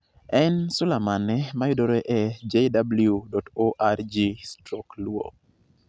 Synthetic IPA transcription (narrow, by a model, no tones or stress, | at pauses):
ɛnsʊlamanɛmajʊdoɾɛʔɛd͡ʒedabludɔtoʔard͡ʒistɾɔklwo̰